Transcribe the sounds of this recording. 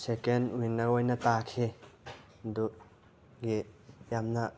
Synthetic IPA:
sekenwinɐɾojnɐtakʰe | d̪u | ɡijamnɐ

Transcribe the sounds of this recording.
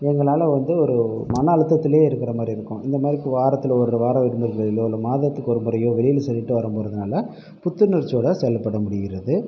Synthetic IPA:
ɛŋɡɐɭaːlɐʋɐnd̪ɯɔɾɯmɐnɐːɭɯt̪ːɐt̪ːɪleːɪɾɯkːɪɾɐmaːd̪ɾiɪɾɯkːʊ̃ʔɪnd̪ɐmaːd̪ɾɪkːɯ̃ʋaːɾɐt̪ːɪlɐɔɾɯʋaːɾɐʋɪɽɯmɐɾɣɐɭɪloɔɾɯmaːðɐt̪ːɯkːɔɾɯmbɐɾɐjoːʋɛɾɪjɪlsɛlːɪʈːɯʋɐɾɐmpoːɾɐðɯnaːlɐ | pʊt̪ːɯnɪɾt͡ʃːoːɽɐsɛlːɐpːɐɽɐmʊɽɪɣɪɾɐðɯ

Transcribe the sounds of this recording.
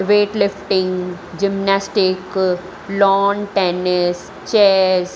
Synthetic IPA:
ʋeːʈlɪfʈɪ̃ŋɡ | d͡ʒɪmnaːsʈɪk | lɔːnʈeːnɪs | t͡ʃeːɾz

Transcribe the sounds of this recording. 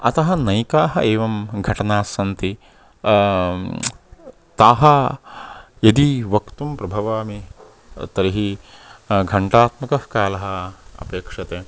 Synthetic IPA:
ɐ̰t̪ɐɦɐ̆nɐjkaːɦɐʔeːʋɐmɡʱɐʈɐnaːsɐnt̪i | t̪aːɦɐ | jɐd̪iʋɐkt̪umpɾɐbʱɐʋaːmi | t̪ɐɾiɦi | ɡʱɐɳʈaːt̪mɐkɐhkaːlɐɦɐ̆ɐ̰peːkʂɐt̪eː

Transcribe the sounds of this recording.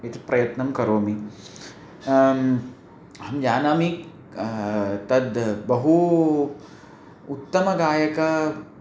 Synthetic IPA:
et̪pɾɐjɐt̪nɐmkɐɾoːmi | hɐmd͡ʒaːnaːmi | t̪ɐd̪bɐɦu | ut̪ːɐmɐɡaːjɐkɐ

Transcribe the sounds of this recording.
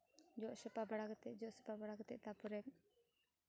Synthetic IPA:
d͡ʒɔʔsəpabaɽaɡt̪ɛʔd͡ʒɔʔsəpabaɽaɡt̪ɛʔt̪apuɾɛn

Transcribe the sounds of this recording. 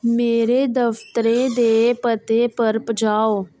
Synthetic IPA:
meːɾeːd̪əft̪əɾẽːd̪eːpət̪eːpəɾpəd͡ʒaːoː

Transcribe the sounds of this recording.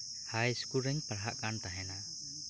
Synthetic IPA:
hajskuɾɛŋpaɾɦaʔkant̪aɦɛna

